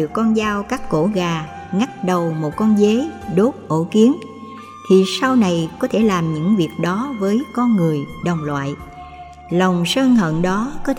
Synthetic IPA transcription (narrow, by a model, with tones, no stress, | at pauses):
ɨ˨əkːɔ˧nzaː˧wkaː˦˥kːo̰˧˩ɣaː˨˩ | ŋa˦˥t̚ɗə˨˩wmo˨˩t̚kɔ˧nze˨˦ɗo˦˥t̚ʔo˧˩ki˨˦ən | t̪ʰi˨˩sa˧wna˨˩jkɔ˨˦t̪ʰe˧˩laː˨˩mɲɨ̰˧˥ŋvi˨˩ək̚ɗɔ˨˦vəː˨˦jkɔ˧nŋɨ˨˩əjɗə˨˩wŋ͡mlwa̰ː˧˨jʔ | lə˨˩wŋ͡msəː˧nhə̰˧˨nɗɔ˨˦kɔ˨˦